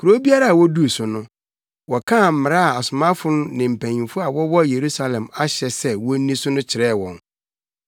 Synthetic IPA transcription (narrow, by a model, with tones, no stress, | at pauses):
ku˨ɾo˦bi˦a˦ɾa˨a˨wɔ˦du˦˨sʊ˨nʊ̃˦ | wɔ˨kʰã˦˨m̩˨mɪ̃˨ɾa˦a˨a˨sʊ˨mã˦fʊ˦nʊ̃˦nɪ̃˨m̩˨pʰæ̃˨ɲĩ˨fʊ˦a˨wɔ˦wɔ˦˨je˨ɾu˦sa˦lɛ̃˨ma˦ɕɛ˨sɛ˦wɔ˦nĩ˦sʊ˦nʊ̃˦t͡ɕʰɪ˨ɾɛː˦˨wɔ̃˨n